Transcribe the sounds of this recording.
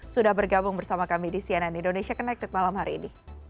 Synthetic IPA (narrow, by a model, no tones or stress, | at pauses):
sudahbərɡabʊŋbərsamakamidisiananindonesiakənak̚t̪ɪt̪̚malamhaɾiːni